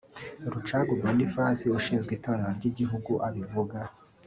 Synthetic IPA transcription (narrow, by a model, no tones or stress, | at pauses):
ɾut͡ʃaːɡumandifaːsiuʃiːnzɡwiːtaβaneɾaɾɟiɟiɦuɡuʔaβivuɡa